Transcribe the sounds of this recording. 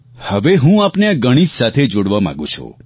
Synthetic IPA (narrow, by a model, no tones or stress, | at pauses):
həʋeɦũapneaɡəɽ̃id͡ʒsat̪ʰed͡ʒoɽʋamã̰ɡũt͡ʃʰṵ̃